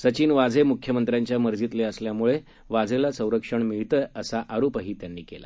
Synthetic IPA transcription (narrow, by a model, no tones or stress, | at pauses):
sət͡ɕiːnʋad͡zʱemukʰjəmənt̪ɾjaɲt͡ɕjaməɾd͡zit̪leəsljamuɭe | ʋad͡zelasə̃w̃ɾəkʂəɳmiɭt̪əəsaʔaɾopaɦiːt̪janːiːkela̰